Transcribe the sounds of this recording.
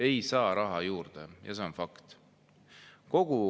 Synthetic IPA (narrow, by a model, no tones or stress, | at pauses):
e̞jsɑːɾɑɦɑjuːrd̪̥ejʔɑ̰se̞onfɑkt̪ | ko̞ɡ̥u